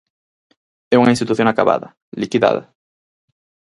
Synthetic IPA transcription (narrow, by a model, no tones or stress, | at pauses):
ɛuŋaĩst̪it̪uθjõŋakaβa̰ðɐ | likiða̰ðɐ̰